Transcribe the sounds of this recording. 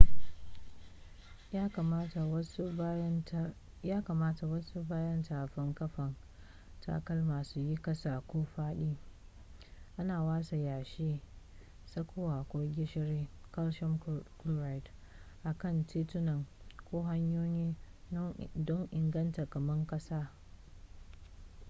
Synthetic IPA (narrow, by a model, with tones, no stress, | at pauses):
jaː˦kɐ˨maː˦ta˨wɐ˦su˦baː˦jɐ˦ntaː˨ɸɪ˦ŋkɐ˦ɸɐ˨ŋ | tʰa̰ː˨kɐ˦lmaː˨su˦ji˦kɐ˦saː˨kʷoː˦ɸaː˦ɗiː˦ | ʔa˦naː˨waː˦sa˨jaː˨ʃiː˦ | sɐ˦kʷoː˦wa˨kʷoː˦ɡʲɪ˦ʃɪ˦ɾeː˦kɐ˦lʃɔ˦mklu˦ɾa˨jt | ʔa˨kɐ˦˨ntiː˦tʊ˦nɐ˨ŋkʷoː˦ɦa˦ɲjoː˦jiː˦ | dɔ˦ŋʔɪ˨ŋɡɐ˦ntɐ˨kɐ˨mɐ˦ŋkʼɐ˦saː˦